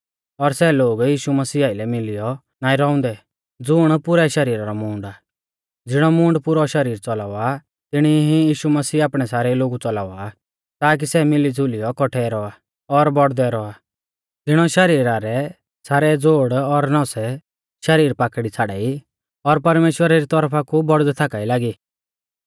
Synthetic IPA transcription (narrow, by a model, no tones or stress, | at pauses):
ɔɾsɛloːɡjiːʃumɐsiːaɪlɛmɪlɪjɔ | naːĩɾɔʊ̃nd̪ɛ | d͡zʊɽ̃pʊɾɛʃɐɾiːɾaɾɔmũːɳɖa | d͡zɪɽ̃ɔmũːɳɖpʊɾɔʃɐɾiːɾt͡sɔlaːɔa | t̪ɪɽ̃iɦijiːʃumɐsiːaːpɽ̃ɛsaːɾɛloːɡut͡sɔlaːɔa | t̪aːk̬isɛmɪlid͡zʱulijɔkɔʈʰɛɾɔa | ɔɾbɔɽd̪ɛɾɔa | d͡zɪɽ̃ɔʃɐɾiːɾaɾɛ | saːɾɛd͡zoːɽɔɾnɔ̃sɛ | ʃɐɾiːɾpaːkɽit͡sʰaɽaːi | ɔɾpɐɾmeːʃwəɾaɾit̪ɔɾpʰakubɔɽd̪ɛt̪ʰakaːilaːɡiː